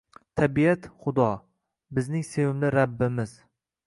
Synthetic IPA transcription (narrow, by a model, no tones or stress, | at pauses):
t̪ʰabijat̪χʊd̪ɒ | bɪznɪŋse̞vɪmlɪɾabːɪmɪz